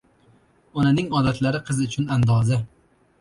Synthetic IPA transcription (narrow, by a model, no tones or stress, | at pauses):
ɒnanɪŋɒd̪at̪ʰlaɾɪqʰɨzʊt͡ʃʰʊnand̪ɒza